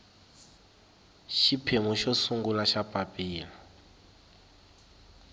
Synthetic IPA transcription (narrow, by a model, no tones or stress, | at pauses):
ʃipʰemuʃɔsuŋɡulaʃapʼapʼiːla